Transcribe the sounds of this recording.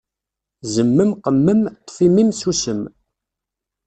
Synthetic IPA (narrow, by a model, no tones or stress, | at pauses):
zəmːəmqəmːəmt̪ˤːfimimsusəm